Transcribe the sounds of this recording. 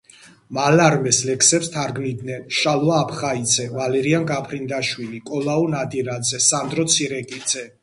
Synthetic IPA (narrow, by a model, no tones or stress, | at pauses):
malaɾmɛslɛkʰsɛpst̪ʰaɾɡnid̪nɛnʃalˠɔaːpʰχaid̪zɛvalɛɾiaŋɡapʰɾind̪aʃwilikʼɔlaunad̪iɾad̪zɛsand̪ɾɔt̪sʰiɾɛkʼid̪z̥ɛ